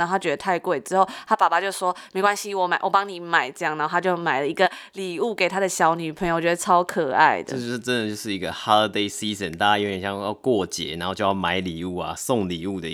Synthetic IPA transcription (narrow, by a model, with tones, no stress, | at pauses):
na˥˧˨t̪ʰa˥t͡ɕɥɛ˧˥d̪ə˨t̪ʰa˥˧ɪkwe˥˩ɪʈ͡ʂɻ̩˥xo˥˩ʊt̪ʰa˦˥pa˨˩pa˧t͡ɕjo˥˧ʊʂwɔ˥me˧˥ɪkwa˦˥nɕi˦wɔ˨˩˦ma˨˩ɪwɔ˨˩pɑ˦˥ŋni˨˦ma˨˩ɪʈ͡ʂɤ˥˧jɑ˥˩ŋna˧˦˥xʰa˥t͡ɕjo˥˩ʊma˨˩ɪlə˩i˧˥ɡə˨li˨˩u˥˩ke˨˩ɪt̪ʰa˥d̪ə˨ɕjɑ˨˥ʊny˨˩pʰə˨˧ŋjo˧˩ʊ˨t͡ɕɥɛ˧˥ə˧˩ʈ͡ʂʰɑ˦˥ʊkʰɤ˨˩a̰˥˩ɪd̪ə˨˧o˥˧ʂ̩˥˧˩ə˦nd̪ə˨t͡ɕjo˥˧ʊʂɻ̩˥˩i˧˦ɡə˧ha˦˥d̪e˥ɪsi˦zə˨nt̪a˥˩t͡ɕa˥˩jɔ˧˥˩jɛ˨˩ɕjɑ˥˧jɑ˥˧kwɔ˥˩t͡ɕjɛ̰˨˦na˨˦xo˥˧t͡ɕo˥˧jɑ˥˩ma˨˩˦ɪli˨˩u˥˩ɐ̰˨sɔ˥˨ŋli˨˩u˥˩d̪ə˨˦